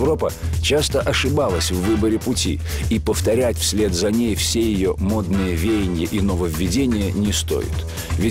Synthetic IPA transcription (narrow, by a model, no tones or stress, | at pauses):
vɾo̞pət͡ɕast̪əʔɐʂɨbalˠəsʲvːɨbəɾʲɪpʊtʲḭ | ipəft̪ɐɾʲætʲfsʲlʲe̞t̪zɐnʲejfsʲejɪjomo̞d̪nɨjəvʲejɪnʲɪjəʔinovəvʲːɪdʲenʲɪjənʲɪst̪o̞̰jɪ̰t̪ | vʲɪ